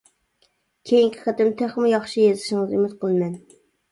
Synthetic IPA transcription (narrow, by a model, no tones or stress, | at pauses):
kʲʰejiŋkʲʰɪ̥qʰæt̪ɪmt̪ʰæχmʊjɑχʃijezɪʃɪŋɨzymɪt̪qʰəlˠɨmɛn